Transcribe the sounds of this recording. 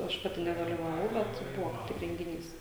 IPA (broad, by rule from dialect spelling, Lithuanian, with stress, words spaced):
ˈɐʃ ˈpɑːtʲɪ nʲɛdɐlʲɪʋɐˈʋɐʊ ˈbʲɛt ˈbʊʋoː kɐɪp ˈtʲɪk rʲɛŋʲɡʲɪˈnʲiːs